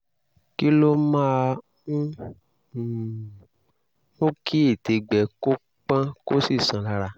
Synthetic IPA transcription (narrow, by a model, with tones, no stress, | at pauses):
ki˦lo˦mã˦˧ | ũ˦˨ | õ˦kʰi˦e˦˨te˨˦ɡ͡bɛ˨ko˦ | k͡pã˦ko˦si˦˨sã˨˦la˧ɾa˧